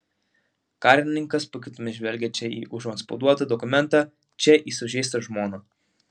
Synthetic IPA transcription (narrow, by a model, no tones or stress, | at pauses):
kɑːˑɾʲɪnʲɪŋkɐspʊkʲɪt̪ʊmʲɪʒʲʋʲɛlʲɡʲɛt͡ʃʲɛḭːʔʊʒɔnspɐʊd̪uɔt̪ɐd̪ɔkʊmʲɛnˑt̪ɑ | t͡ʃʲɛʔiːsʊʒʲɛɪst̪ɐʒmoːnɐ